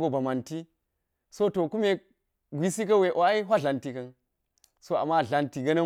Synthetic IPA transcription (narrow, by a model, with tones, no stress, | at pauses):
ɡo˨ba˨ma˨nti˦ | so˦to˨ku˦me˨ | ɡʷi˦si˦k̬ɐ˦we˨ʔo˨a˦i˦ɦʷwa˦ɮa˨nti˦kɐ˨˦n | so˦a̰˨mːa˦˨ɮa˨nti˨ɡɐ˦nɐ˦